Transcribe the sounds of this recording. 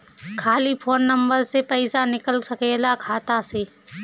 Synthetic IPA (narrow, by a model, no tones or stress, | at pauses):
kʰaːlipʰoːnːɐ̃mbəɾsepɛɪsanɪkəlsɐkeːlakʰaːt̪aseː